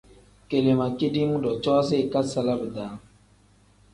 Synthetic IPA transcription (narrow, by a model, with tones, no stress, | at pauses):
ke˨le˨ma˨ke˦di˦mu˦dɔ˨t͡ʃɔ˦s̬ɪ˦˨ka˦sa˦la˦bə˨d̪a˨˦